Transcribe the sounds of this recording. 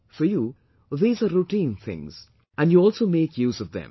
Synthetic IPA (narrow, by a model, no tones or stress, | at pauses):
fəju | ðiːzəɾuʈĩnθɪ̰̃ŋz̥ | ʔæ̃nɖjuɔːlˠsoʊmeːkʰjuːzʌvðɛ̰̃m